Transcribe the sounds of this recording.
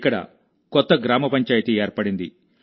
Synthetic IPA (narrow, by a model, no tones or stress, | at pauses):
kːɐɽɐ̰ | kɔt̪ːɐɡɾaːmɐpɐɲt͡ʃaːjt̪ieːɾpɐɽind̪ḭ